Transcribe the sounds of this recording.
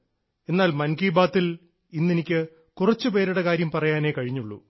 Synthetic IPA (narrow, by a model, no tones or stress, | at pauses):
e̞nːaːlmɐnkiːbaːt̪ːil | inːenikʲːɨ | kurɐt͡ɕːɨpe̞ːɾuɽekaːɾjɐmpɐrɐjaːne̞ːkɐɻiɲːuɭːṵ